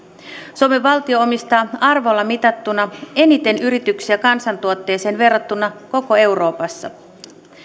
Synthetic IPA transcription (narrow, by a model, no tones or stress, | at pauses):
so̞me̞ʋːɑlt̪io̞omist̪ɑːɑrʋolːɑmit̪ɑt̪ːunɑe̞nit̪e̞nyɾit̪yksiækɑnsɑnt̪uot̪ːe̞ːse̞ːnʋe̞rːɑt̪ːunɑko̞ko̞e̞wɾo̞ːpɑsːɑ̰